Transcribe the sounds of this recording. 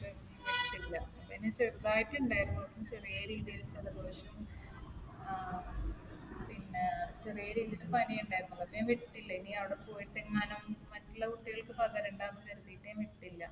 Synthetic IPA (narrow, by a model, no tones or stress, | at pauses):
e | iʋiʈʈːilːɐ | pinːet͡ɕeɾuðaːjitːuɳɖaːjɾunːuːɐpːt͡ɕirijɐɾiːðijilt͡ɕːɐðɨboːʂɐm | pinːet͡ɕirijɐɾiːðijilupɐnijuɳɖaːjɾunːuɐɐpːijɐmʋiʈːiʈːilːɐiniɐʋiɽepoːjiʈːeŋːaːnɐmːɐtːulːɐuʈːiɣɐɭkːɨpɐɣɐɾuɳɖaːnːkeɾuðijʈːejmʋiʈːiʈːilːɐ